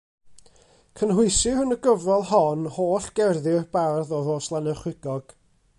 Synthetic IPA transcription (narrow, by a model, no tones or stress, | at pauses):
kʰənhʊɨsɨhʊnəɡəvɔlˠhɔnhoːɬɡ̥ɛrðɪb̥arðɔðoːslˠanəχwɪɡ̥ɔɡ̥